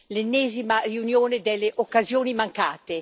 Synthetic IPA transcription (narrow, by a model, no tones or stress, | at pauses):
lenːɛːzimariunjoːned̪elːeʔokːazjoːnimaŋkaːt̪e